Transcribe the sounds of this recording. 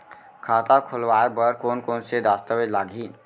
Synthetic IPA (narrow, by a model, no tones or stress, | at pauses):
kʰaːt̪akʰʊlwaːebəɾkoːnkoːnsed̪aːst̪əʋed͡ʒlaːɡʱiː